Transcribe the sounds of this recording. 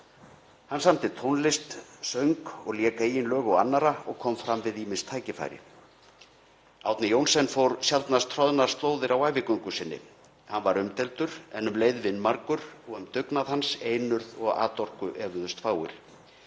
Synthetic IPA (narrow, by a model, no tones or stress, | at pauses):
hanːsamt̪ɪt̪ʰownlɪst̪sœɥŋkɔɣljɛːkaijɪnlœːɣʏanːaɾaɔ̰ɣkʰɔmfɾamvɪðiːmɪnst̪ʰaːjcɪfa̰jɾɪ̰ | awt̪nɪjownsɛnfoːwɾsjalt̪nast̪ʰɾɔðnaɾ̥st̪oːwðɪɾawajvɪkʏŋkʏsɪnːɪ̰ | hanvaɾʏmt̪ɛlt̪ʏɾ̥ɛnʏmleːjðvɪnːmaɾkʏɾɔɣʏmt̪ʏknaðhanseːjnʏɾðɔɣa̰ːt̪ɔr̥kʏʔɛːvʏðʏst̪faːwɪ̰ɾ̥